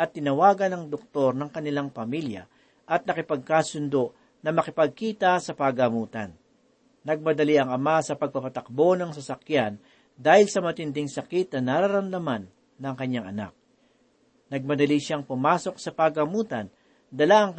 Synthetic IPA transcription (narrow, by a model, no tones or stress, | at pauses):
ʔɐt̪ːɪnɐwaːɡɐnɐŋd̪ok̚t̪o̞ɾnɐŋkɐnɪlaŋpɐmiljɐ̰ | ʔɐt̪̚nɐkɪpɐɡ̚kaːsʊnd̪o̞ʔ | nɐmɐkɪpɐɡ̚kiːt̪ɐsɐpɐɡɐmuːt̪ɐ̰nː | ɐɡ̚mɐd̪ɐliʔɐŋɐmasɐpɐɡ̚pɐpɐt̪ɐk̚bo̞nɐŋsɐsɐkjan | d̪aːhɪlsɐmɐt̪ɪnd̪ɪŋsɐkɪt̪̚nɐnaɾaɾɐmd̪ɐmanː | ɐŋkɐɲːaŋʔɐna̰k̚ | nɐɡ̚mɐd̪ɐliʃaŋpʊmaːso̞k̚sɐpɐɡɐmuːt̪ɐn | d̪ɐlaʔɐŋk